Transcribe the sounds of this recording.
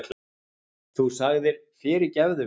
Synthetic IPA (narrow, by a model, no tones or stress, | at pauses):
t̪l | θusaɣðɪɾ̥fɪːɾɪɾcɛvðʏ